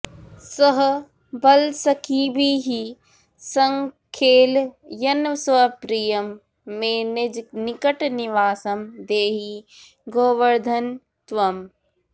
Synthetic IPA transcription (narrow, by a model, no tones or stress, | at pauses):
sɐɦ | bɐlsɐkʰiːbiːɦi | sɐŋkʰeːljɐnsʋɐpɾiːjɐmː | ẽːned͡ʒnikɐʈniʋaːsɐmd̪eːɦi | ɡoːʋɐɾd̪ʱɐn | t̪ʋɐm